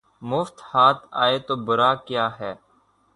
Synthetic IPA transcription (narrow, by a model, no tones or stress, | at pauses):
mʊft̪haːt̪ʰa̰ːeːt̪oːbʊɾaːkjaːɦɛː